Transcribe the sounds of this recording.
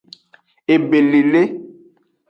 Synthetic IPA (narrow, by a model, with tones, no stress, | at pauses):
e˨be˨li˨le˦